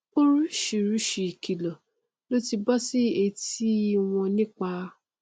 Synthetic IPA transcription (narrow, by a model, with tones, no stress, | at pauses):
o˦ɾu˦ʃi˨ɾu˨˦ʃi˧˨kʰi˨lɔ˨ | lo˦ti˧bɔ˦si˦e˧ti˦w̃ɔ̃˧nĩ˦k͡pa˧